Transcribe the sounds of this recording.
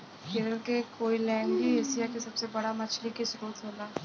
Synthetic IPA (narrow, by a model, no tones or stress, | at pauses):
kɪɾəlkekoːilɛ̃ːŋbieːsijakesɐbsebɐɽamɐt͡ʃʰlikesʊɾuːət̪ɦoːlaː